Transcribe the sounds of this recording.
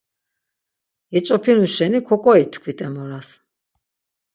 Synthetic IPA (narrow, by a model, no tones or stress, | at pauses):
ɛt͡ʃʼɔpʰinuʃɛnikʰɔkʼɔit̪ʰkʰwit̪ʼɛmɔɾas